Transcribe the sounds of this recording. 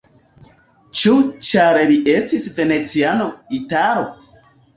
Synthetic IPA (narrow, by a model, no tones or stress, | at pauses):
t͡ʃut͡ʃaɾeliʔestisvenet͡sianoitaɾo̰